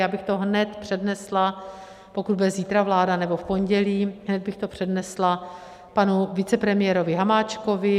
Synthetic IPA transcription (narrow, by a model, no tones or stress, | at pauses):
jaːbɪxt̪o̞ɦnɛt̪pr̝̥ɛdnɛsla | po̞kud̪bɛziːt̪ɾavlaːdanɛbo̞fpo̞ɲɟɛliːɦnɛd̪̚bɪxt̪o̞pr̝̥ɛdnɛsla | panuvɪt͡sɛpɾɛmɪjɛɾo̞vɪɦamaːt͡ʃko̞vɪ